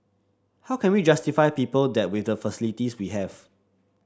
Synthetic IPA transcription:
hawkʰɛ̃nwid͡ʒastifaɪpiːpəldɛt̚wɪdəfəsilitiswiɦɛv̥

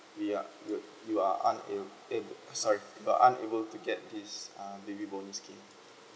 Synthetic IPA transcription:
wia̰ju | juaʔã̰ne | ebsɔɹijua̰ʔãnḛbəltuɡɛt̚disãbebibɔnuskʰẽm

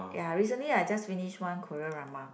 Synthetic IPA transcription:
ja̰ɹis̬ə̃nliad͡ʒʌstfĩniʃwãnkʰɔɹəɹamã

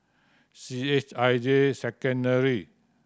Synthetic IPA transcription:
siet͡ʃajd͡ʒesɛkə̃ndəɹi

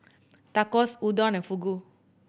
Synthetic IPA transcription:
t̪akɔsudɔnɛ̃fuɡo

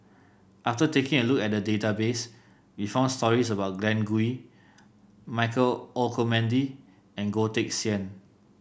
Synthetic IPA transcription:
ʔaftətekɪ̃ŋəlukɛt̚dədetabes | wifãʊ̃nstɔɹisəbaʊt̚ɡɹɛ̃nɡui | maɪkəlɔlkʰomɛ̃ndi | ɛ̃nɡotek̚siɛ̃n

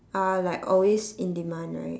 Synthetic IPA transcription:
alaɪkɔlwesĩndimãnla̰ɪ

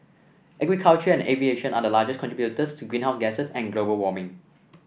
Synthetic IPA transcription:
ʔɛɡɹikʰalt͡ʃəɛ̃nevieʃə̃nadəlaːd͡ʒəskʰɔ̃ntɹibjutəstʰuɡɹĩnɦaʊsɡɛsəsɛ̃nɡlobəlwɔmɪ̃ŋ

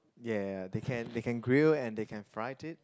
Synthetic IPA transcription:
jædekʰɛ̃ndekɛ̃nɡɹilɛ̃ndekʰɛ̃nfɹaɪtɪt̚

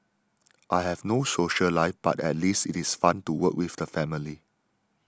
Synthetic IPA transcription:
ʔaɪhɛvnosoʃəlaɪfb̥a̰tɛ̰t̚listɪtisfãntuwəkwivdəfɛmili

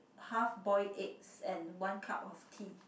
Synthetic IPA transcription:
hafbɔɪʔɛk̚sɛ̃nwãnkʰa̰pɔftʰi

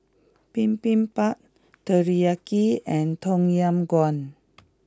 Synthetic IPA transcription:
pĩmpĩnpak̚ | təɹiakiɛ̃nt̪ɔ̃ŋjãmɡɔ̃n

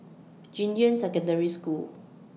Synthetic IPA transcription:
d͡ʒĩndiə̃nsɛkə̃ndəɹiskul

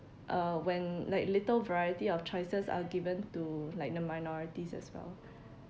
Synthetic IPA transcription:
ʔawɛ̃nlajk̚litəlvəɹajətiɔft͡ʃɔjsəsa̰ɡivə̃ntulaɪk̚dəmaɪnɔɹitisɛ̰swɛ̰l

